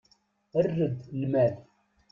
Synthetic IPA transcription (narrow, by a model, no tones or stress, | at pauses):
ərːəd̪lmæl